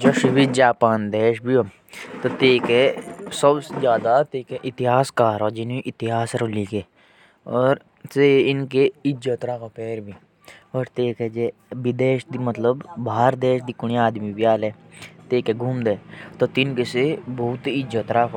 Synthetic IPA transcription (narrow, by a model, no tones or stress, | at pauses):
d͡ʒɐʃibid͡ʒaːpaːnd̪eːʃbʱio | t̪ot̪eːkesɐbsezjaːd̪at̪eːkeʔɪt̪ɪɦaːskaːɾoːd͡ʒɪnĩʔɪt̪ɪɦaːsɾoliːkeː | ɔːɾ | seɪnkeɪd͡ʒət̪ɾaːkopeːɾbʱiː | ɔːɾt̪eːked͡ʒebid̪eːʃd̪imɐt̪ləbbaːɾd̪eːʃd̪ikʊɳ̃iaːd̪mibjaːlɛːt̪eːkeɡʱuːmd̪eːt̪ot̪ɪnkesebɐʊt̪ɪd͡ʒət̪ɾaːko